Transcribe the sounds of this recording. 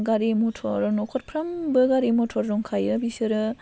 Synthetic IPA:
ɡaɾimɔtʰɔɾnɔkʰɔt̚pʰɾambɯɡaɾimɔtʰɔɾɾɔŋkʰajɯbisɯɾɯ

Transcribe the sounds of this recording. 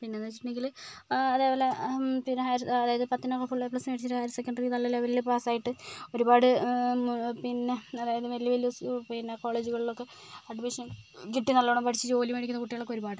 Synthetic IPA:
pinːe̞onːet͡ɕːiʈːɐɳeŋɡilɐðeːpoːlepinɦaːjɾɐɐðaːjɐðɨpɐt̪ːinɐkːɐfuɭːeplɐsmeɽit͡ɕːiɾʈːɨhaːjiɾɐsekʲːɐɳɖɐrikːɨt̪ɐlːilːaʋɐlːɐpaːsaːjiʈːɨo̞ɾubaːɽɨ | pinːe̞ɐðaːjɐðɨʋelːɐʋeluspinːeko̞ːɭeːd͡ʑuɣɐɭilo̞kːe̞ | ɐɖmiʂɐkiʈːinɐlːɐɳɐmpɐʈit͡ɕːɨt͡ɕo̞ːlimeːɽikːunːɐkuʈːijaːɭːokːeo̞ɾubaːɽɨ

